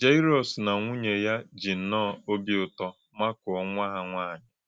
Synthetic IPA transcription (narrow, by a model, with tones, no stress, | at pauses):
d͡ʒa˦i˦ɾɔ˨sna˨ŋʷu˦ɲe˨ja˦d͡ʒi˨n̩˨nɔː˦˨o˦bi˦ʊ˨tɔ˦ | ma˦kʊ˨ɔ˦ŋʷa˦a˨ŋʷaː˦˨ɲɪ˨